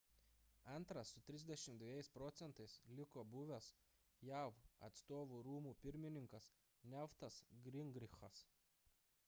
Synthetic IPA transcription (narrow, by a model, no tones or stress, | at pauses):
ɐnˑt̪ɾɐsʊt̪ʲɾʲɪzʲd̪ʲɛʃʲɪmt̪d̪ʲʋʲeːjɛɪspɾɔt̪sʲɛnt̪ɐɪslʲɪkoːbʊʋʲɛs | jæˑʋɐ̰t̪st̪oːʋuːɾuːmuːpʲɪɾʲmʲɪnʲɪŋkɐs | nʲɛft̪ɐsɡɾʲɪŋɡɾʲɪxɐs